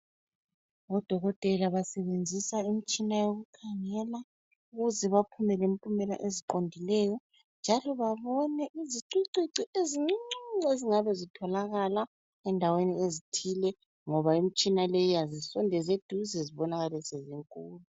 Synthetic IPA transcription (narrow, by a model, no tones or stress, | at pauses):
βɔd̥ʱɔɣɔtʼɛlaβasɛβend͡zʱisaim̩t͡ʃʼinajoɣukʰaŋɛla | uɣuzɛβapʰumɛlempʼumɛla̰ʔeziǃondʱilɛjɔ | nd͡ʒʱalɔβaβɔnɛʔiziǀiǀiǀiʔeziŋ͡ǀiŋ͡ǀiŋ͡ǀeziŋaβɛzitʰɔlaɣala | ɛndʱaweniezitʰilɛ | ŋɔβaim̩t͡ʃʼinalejijazisɔndʱɛzed̥ʱuzɛziβɔnaɣalɛseziŋkʼuːlu